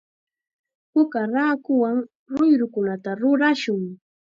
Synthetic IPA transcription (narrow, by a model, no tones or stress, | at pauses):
pʊkaɾaːkʊwaŋ | ɾʊjɾʊkʊnat̪aɾʊɾaʃʊŋ